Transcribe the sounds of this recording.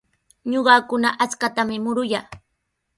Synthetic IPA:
ɲoɢɑːkʊnaʔat͡skat̪amɪmʊɾʊjaː

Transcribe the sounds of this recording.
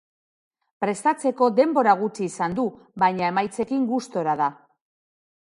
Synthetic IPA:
pɾe̞st̪at͡se̞ko̞d̪e̞mbo̞ɾaɣ̞ut͡siːsand̪u | βajɲae̞majt͡se̞kiŋɡust̪o̞ɾaða

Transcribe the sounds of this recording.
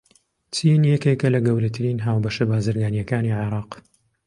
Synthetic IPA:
t͡sinjɛkekɐlɐɡɐwɾɐt̪ʰɨɾiːnɦaːwbɐʃɐbaːzɨɾɡaːnijɐkaːniʕeɾɑːq

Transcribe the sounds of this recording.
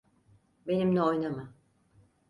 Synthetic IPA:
be̞nimnʲɛo̞jnama

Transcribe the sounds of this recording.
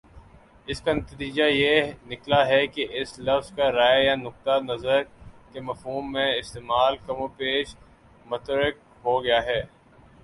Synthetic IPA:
ɪskanɐt̪t̪iːd͡ʒajenɪklaɦɛkeʔɪslɐfzkaɾaːjjanʊk̚t̪anɐzəɾkemɐfɦuːmːẽɪst̪eːmaːlkɐmõpeːʃ | mʊt̪əɾək̚ | ɦoɡɐjaːɦɛː

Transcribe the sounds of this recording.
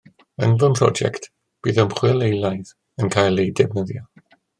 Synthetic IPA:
ə̰nvɔnpʰrɔ̰d͡ʒɛ̰kt | b̥iːðəmχwɪlˠejlˠajð | ənkʰaːjlˠejdɛbnəðjɔ

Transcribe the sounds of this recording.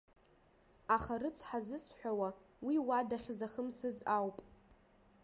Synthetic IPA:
aχarɨt͡sʰħazɨsħʷᶣawa | wiwadaχʲzaχəmsɨzawpʼ

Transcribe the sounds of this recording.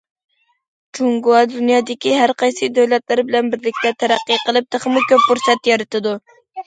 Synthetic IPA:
t͡ʃuŋɡuɑd̪unjɑːd̪ɪkʲiɦæɾqʰɑjsɨd̪øwlɛt̪læɾbɪlɛnbɪɾlɪkʲt̪ɛt̪ʰæɾæqːiqəlˠɨp̚t̪ɨχəmukʲøp̚ːuɾsɛt̪jɑɾɨt̪ʰɨd̪u

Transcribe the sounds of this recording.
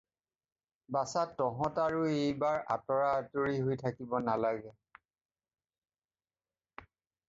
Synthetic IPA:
basatːɔɦɔ̃taɹuejbaɹa̰tɔɹaːtoɹiɦojtʰakibɔnalaɡɛ

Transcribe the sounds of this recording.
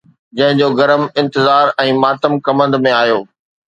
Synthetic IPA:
d͡ʑɐ̃ɦɪ̃ɲd͡ʑoːɡɐɾəmɪ̃nt̪ɪzaːɾɛ̃ːmaːt̪əmkɐmə̃nd̪mẽaːjoː

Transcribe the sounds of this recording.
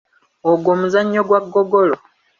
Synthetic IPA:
oɡwoːmuzaɲːo̞ɡwaɡːoɡolo

